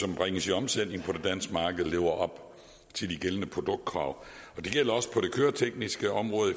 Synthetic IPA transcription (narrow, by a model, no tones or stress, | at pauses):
sɒ̽mb̥ʁeŋəsiɒ̽msen̰ne̝ŋ̩pʰɒ̽d̥e̝d̥æn̰sɡ̥mɑ̈ːɡ̥əð̩ˠle̝ːʊɐʔɒ̽b̥ | t͡sʰe̝ld̥iɡ̥elənəpʰʁo̝d̥ɔ̽ɡ̥̚d̥̚kʰʁɑ̈ʊ | ɒ̽d̥e̝ɡ̥el̰ɐɒ̽sə̥pʰɒ̽ɾ̥e̝kʰøːɐt͡sʰeɡ̥nisɡ̥əɒ̽mʁɔ̽ːðˠ